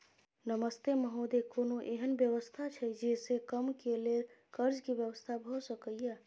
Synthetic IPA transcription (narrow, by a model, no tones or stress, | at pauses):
nəməst̪eməɦod̪ekonoʔeɦənbjəʋəst̪ʰat͡ʃʰəd͡ʒesekəmkelelkəɾd͡ʒkebjəʋəst̪ʰabʱɔsəkəjje